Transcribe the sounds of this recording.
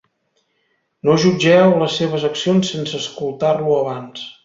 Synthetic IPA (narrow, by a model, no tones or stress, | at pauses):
noʒud͡ʒɛwləsːeβ̞əzəksionsːensəːskulˠt̪arluəβans